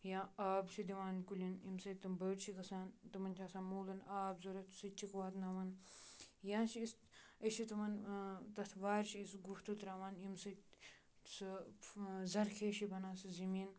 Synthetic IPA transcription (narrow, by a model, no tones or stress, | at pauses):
jãːaːbt͡ʃʰid̪iʋaːnkulʲinimsɐt̪ɐmbəːʈt͡ʃʰikɐsaːnt̪ɐmɐnt͡ʃʰaːsãːnmoːlɐnaːbzuɾɐt̪sɐt͡ʃʰikʋaːt̪naːʋɐn | jãːt͡ʃʰiis | ɐʃit̪umɐnt̪ɐt̪ʰʋaːɾt͡ʃʰiisɡuft̪ut̪ɾaːʋaːnimsɐ | s | zɐɾkʰeːʃibɐnaːsɨzɐmiːn